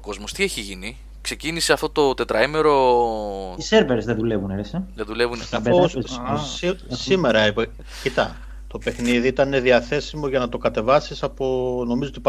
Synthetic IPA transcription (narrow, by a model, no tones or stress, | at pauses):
oko̞zmo̞st̪ieçiʝini | kse̞ciniseɐft̪ot̪o̞t̪e̞t̪ɾɐime̞ɾo̞ | seɾveɾszðeðulevunɾsðeðule̞vunɐfos | sime̞ɾɐipe | cit̪ɐ̰ | t̪o̞pe̞xniðiit̪ɐne̞ðiɐθe̞simo̞ʝɐnɐt̪o̞kɐt̪e̞vɐsisɐpono̞mizot̪ip